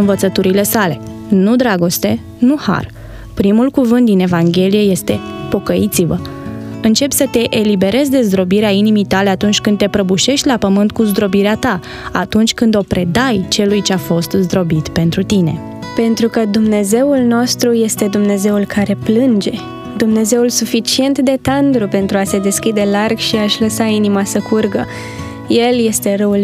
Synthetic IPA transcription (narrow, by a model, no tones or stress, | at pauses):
ɨnvət̪sət̪uɾile̞sale̞ | nud̪ɾaɡo̞st̪e̞ | nuha̰r | pɾimulkuvɨnt̪̚d̪ine̞vaŋɡʲe̞lije̞je̞st̪e̞po̞kəit̪sivəɨnt͡ʃe̞psət̪e̞ʔelibe̞ɾe̞zʲd̪e̞zd̪ɾo̞biɾeainimijt̪ale̞at̪unt͡ʃʲkɨnd̪t̪e̞pɾəbuʃe̞ʃt̪ʲlapəmɨnt̪̚kuzd̪ɾo̞biɾeat̪a | at̪unt͡ʃʲkɨnd̪o̞pɾʔe̞d̪ajt͡ʃe̞lujt͡ʃeafo̞st̪zd̪ɾo̞bit̪pe̞nt̪ɾut̪ine̞ | pe̞nt̪ɾukəd̪umne̞ze̞ulno̞st̪ɾuje̞st̪e̞d̪umne̞ze̞ulkaɾe̞plɨnd͡ʒe̞ | d̪umne̞ze̞ulsufit͡ʃie̞nt̪d̪e̞t̪and̪ɾupe̞nt̪ɾuase̞d̪e̞skʲid̪e̞larɡʃiaʃʲləsainimasəkʰurɡə | je̞lje̞st̪e̞ɾəul